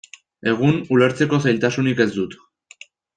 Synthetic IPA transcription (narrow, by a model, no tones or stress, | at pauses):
e̞ɣ̞unule̞ɾt͡se̞ko̞sajlt̪asunike̞zd̪ut̪